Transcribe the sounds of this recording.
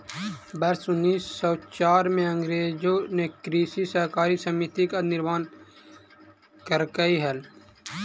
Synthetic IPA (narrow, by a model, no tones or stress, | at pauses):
bɐɾsʊnːiːsːɔːt͡ʃaːɾmẽə̃ŋɡɾeːd͡ʒonekɾiːsisəɦkaːɾisəmit̪ikanɪɾmaːn | kəɾkəiɦɛl